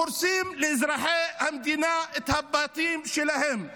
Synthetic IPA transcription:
ʊɾsiːmlɪʔɪzɾɑːħeːʔhamd̪inaɪt̪habːaːt̪ˤiːmʃɪlahɪm

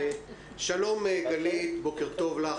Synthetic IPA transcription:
ʃalo̞meɡalit̪bo̞keʁt̪o̞vla

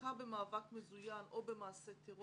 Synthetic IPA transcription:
abemaːvakmezujanʔobemaːset̪ʰeʁo

